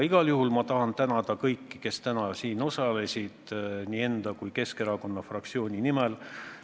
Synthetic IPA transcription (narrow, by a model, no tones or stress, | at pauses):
iɡ̥ɑljuɦulmɑt̪ɑɦɑnt̪ænɑd̪̥ɑkɤjkːi̥ke̞st̪ænɑsiːno̞sɑle̞sʲid̪̥nʲiːe̞nd̪̥ɑkujke̞ske̞ɾɑko̞nːɑfrɑkt̪sio̞ːnʲinimɛl